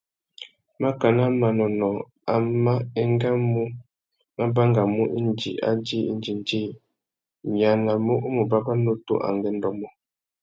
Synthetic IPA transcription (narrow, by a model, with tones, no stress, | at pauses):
ma˦ka˨na˦ma˨nɔ˨nɔ˨ | a˨ma˦ɛ˦ŋ˦ɡa˦mu˦ | ma˦ba˦ŋɡa˨mu˦ʔi˦n˦d͡ʒḭ˨ʔa̰˦d͡ʒi˦ḭ˦n˦d͡ʒi˨n˦d͡ʒi˦ | mi˨a˨na˨mo˦ʔu˦mu˨ba˦ba˦no˦to̰˦ʔa̰˨ŋɡɛ˦n̩˦dɔ˨mɔ˦